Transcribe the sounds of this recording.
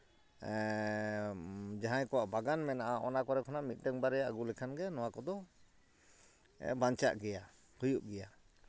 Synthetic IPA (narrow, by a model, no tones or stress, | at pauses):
d͡ʒaɦajkɔwaʔbaɡanmɛnaʔaʔɔnakɔɾɛkʰɔnaʔmit̪̚ˀdɛŋbaɾɛjaʔaɡulɛkʰanɡɛnɔwakɔd̪ɔ | baɲt͡ʃa̰ʔɡɛja | hujuʔɡɛja